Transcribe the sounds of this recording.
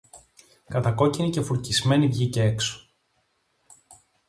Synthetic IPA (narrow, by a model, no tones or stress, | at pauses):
kɐt̪ɐko̞cinice̞fuɾcizme̞nivʝiceekso̥